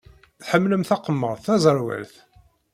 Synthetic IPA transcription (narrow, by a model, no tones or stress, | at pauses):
θħəmːləmθɑqəmːəɾˤθθæzˤəɾˤwæ̰lθ